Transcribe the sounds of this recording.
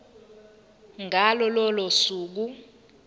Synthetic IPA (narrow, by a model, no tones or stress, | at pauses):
ŋʱalɔlɔlɔsuːk̬u